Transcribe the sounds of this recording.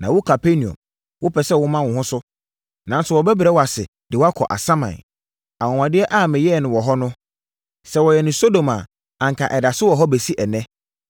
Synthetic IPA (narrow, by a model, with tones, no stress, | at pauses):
nã˨wʊ˦kʰa˨pʰe˦nĩ˨ɔ̰̃˨m | wʊ˦pʰɛ˨sɛ˦wʊ˦mã˦wʊ̃˨ɦʊ̃˦sʊ˦ | nã˨nsʊ˨wɔ˨bɛ˦bɾɛ˦wɔ˨a˨sɪ̰˨ | d̥ɪ˨wa˦kʰɔ̰˨ʔa̰˨sã˦mã̰˨n | a˨wɔ̃˨ã˨dɪ˦ɛ˦ʔa˦˨mɪ̃˨jɛ˦˨nʊ̃˨wɔ˨ɦɔ˦nʊ̃˦ | sɛ˨wɔ˨jɛ˨nʊ̃˨so˦do˨ma˨ | ã˨ŋ˨kʰa˨ʔɛ˨da˨sʊ˦wɔ˨ɦɔ˦be˨si˦ʔɛ˨nɛ̃˦